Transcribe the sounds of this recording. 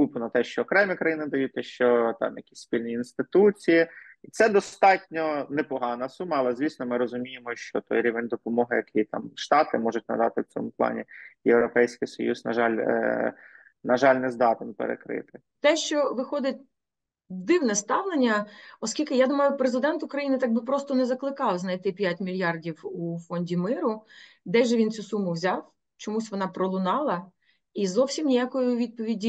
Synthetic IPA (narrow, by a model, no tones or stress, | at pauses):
kupʊnɐt̪ɛʃt͡ʃɔːkɾɛmʲikɾɐjinɪd̪ɐjut̚ʲt̪ɛʃt͡ʃɔt̪ɑ̰mjɐkʲi̥sʲspʲilʲnʲiinst̪ɪt̪ut͡sʲijiit̪sɛd̪ɔst̪ɑtʲnʲɔnɛpɔɦɑnɐsumɐːlˠɛzʲʋʲisnɔmɪɾɔzʊmʲijemɔʃt͡ʃɔt̪ɔ̰jɾʲiʋenʲd̪ɔpɔmɔɦɪjɐkʰijt̪ɑ̰mʃt̪ɑt̪ɪmɔʒʊtʲnɐ̰d̪ɑ̰t̪ɪwt͡sʲɔ̰mʊplˠɑ̰nʲḭjewɾɔpɛjsʲkɪjsɔ̰juznɐ̰ʒɑl̰ʲ | nɐʒɑlʲnɛzd̪ɑt̪ɪnpḛɾḛkɾɪ̰t̪ɪ̥ | t̪ɛʃt͡ʃɔʋɪxɔd̪ɪtʲ | d̪ɪwnɛst̪ɑwnenʲːɐɔskʲilʲkɪjad̪umɐjʊpɾezɪd̪ɛnt̪ʊkɾɐjinɪt̪ɑɡ̚bɪpɾɔst̪ɔnɛzɐklˠɪkɑwznɐjt̪ɪpʲjatʲmʲilʲjɑrdʲiwufɔnʲdʲimɪɾʊ | d̪ɛjʒɛʋint͡sʲusumʊwzʲɑw | t͡ʃɔmusʲʋɔnɑpɾɔlˠʊnɑlˠɐ | izɔwsʲimnʲijakɔjʊʋʲid̪̚pɔʋʲidʲi